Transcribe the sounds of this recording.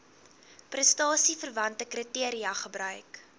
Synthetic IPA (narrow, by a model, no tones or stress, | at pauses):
prəstɑːsifərvɐntəkrətiəɾiɐχəbɾœɥk